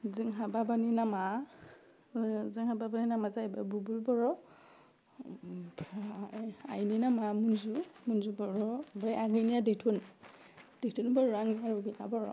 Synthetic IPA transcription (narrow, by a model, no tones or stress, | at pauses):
zɯŋɦababaninama | zɯŋhababaninamazajbabubulbɔɹɔ | a̰jninamamunzumunzubɔɹɔbɾajʔaɡɯjnijadejtʰun | d̥ejtʰunbɔaŋniaɹɔɡinabɔɹɔ̰